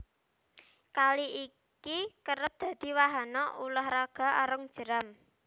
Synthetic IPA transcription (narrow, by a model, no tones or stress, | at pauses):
kaliʔi | kikəɾəp̚d̪̥ä̤d̪̥i̤waɦanɔulahraɡ̥a̤ʔɔɾəŋd̥ʒ̥ə̤ɾam